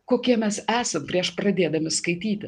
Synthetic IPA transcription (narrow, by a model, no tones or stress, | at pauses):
koːkʲiɛmʲɛsæːsɐmpʲɾʲiɛʃpɾɐd̪ʲeːd̪ɐmʲɪskɐɪt̪ʲiːt̪ʲɪ